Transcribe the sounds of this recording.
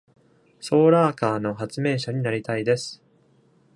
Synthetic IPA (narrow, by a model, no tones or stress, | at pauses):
so̞ːɾaːkaːno̞ɦat͡sɨmẽ̞ɰ̃ɕaɲ̟inaɾʲit̪aid̪e̞sɨ̥